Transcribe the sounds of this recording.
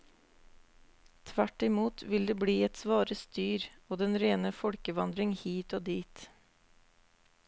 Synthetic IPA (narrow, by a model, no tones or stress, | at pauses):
t̪ʰʋæʈɪmuːt̪ʋɪld̪eːbɽiːɛt̪sʋɑːɾəst̪yːɾoːd̪ɛnɾeːnəfɔɽkəʋɑnd̪ɾɪŋhiːt̪oːd̪iːt̪